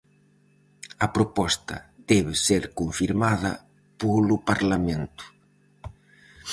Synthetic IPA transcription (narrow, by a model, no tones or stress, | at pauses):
ɐpɾopɔst̪ɐ̰ðɛβɪseɾkoɱfiɾmaðɐ̰ | polʊpaɾlamẽnt̪ʊ̥